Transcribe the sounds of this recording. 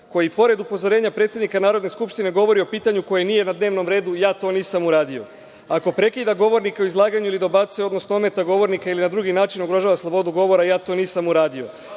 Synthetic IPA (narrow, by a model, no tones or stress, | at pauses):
ko̞jipo̞ɾe̞d̪upo̞zo̞ɾe̞ːɲapɾet̪sʲjed̪nikanaːɾod̪ne̞skupʃt̪ine̞ɡo̞ʋo̞ɾio̞piːt̪aɲuko̞jenije̞nad̪ne̞ːʋno̞mɾe̞ːd̪ujaːt̪o̞ːniːsamuɾaːd̪io̞̰ | ako̞pɾe̞kiːd̪aɡo̞ʋo̞ɾnikaoizlˠaːɡaɲuilid̪o̞bat̪sjo̞d̪no̞snoome̞t̪aɡo̞ʋo̞ɾnikailinad̪ɾuːɡinaːt͡ʃinoɡɾo̞ʒaːʋaslˠo̞bo̞d̪uɡo̞ʋo̞ɾajaːt̪o̞niːsamuɾaːd̪io̞